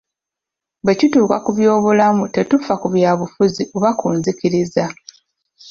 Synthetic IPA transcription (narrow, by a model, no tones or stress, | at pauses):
βe̞cituːkakuβjo̞ːβulamute̞tufakuβjaːβufuziʔoβakuːnziciɾiza